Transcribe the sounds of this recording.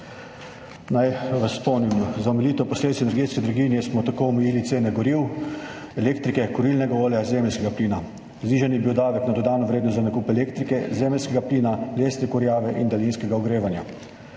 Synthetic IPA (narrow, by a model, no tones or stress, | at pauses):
najʋɐspɔwnimzaɔmɛliːt̪ɔpɔsleːd̪it̪sɛnɛɾɡeːt̪skɛd̪ɾaɡinjɛsmɔt̪akoɔmɛjiːlit̪seːnɛɡɔɾiw | ɛleːkt̪ɾikɛkɔɾilnɛɡaoːljazeːmɛlʲskɛɡapliːna | zniːʒanjɛbiwd̪aːʋɛknad̪ɔd̪aːnɔʋɾeːd̪nɔst̪zanakuːpɛleːkt̪ɾikɛzeːmɛlʲskɛɡapliːnaleːsnɛkɔɾjaːʋɛʔind̪alinskɛɡaɔɡɾeːʋanja